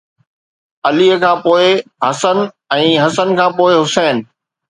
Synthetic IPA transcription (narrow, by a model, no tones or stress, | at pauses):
ɐliːəkʰãːpoːɪɦɐsən | ɛ̃ːɦɐsənkʰãːpoːɪɦʊsɛːn̆